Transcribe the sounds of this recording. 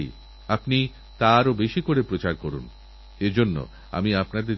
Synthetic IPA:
apni | t̪aɾobeʃikoɾepɾot͡ɕaɾkoɾṵn | ed͡ʑonːo̰ | a̰miapnad̪eɾ

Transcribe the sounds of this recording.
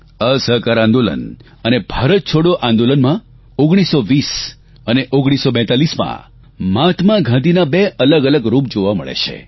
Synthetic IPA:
əsəɦkaɾãnd̪olə̰n | ənebʱaɾət̪̚t͡ʃʰoɽjoʔãnd̪olənmã | oɡɽ̃isoʋis | əneʔoɡɽ̃isobɛ̃t̪alismã̰ | mat̪mãɡʱãd̪inabeʔələɡələɡɾup̚d͡ʒoʋamə̰ɭḛt͡ʃʰḛ

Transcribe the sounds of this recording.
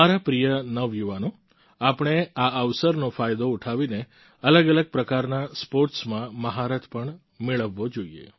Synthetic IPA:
aɾapɾijənəʋjuʋanõ | apɳ̃eaəʋsəɾnofajd̪ouʈʰaʋine | ələɡələɡ̚pɾəkaɾnaspoɾʈsmãməɦaɾət̪ʰpəɳ | meɭəʋːod͡ʒoiḛ

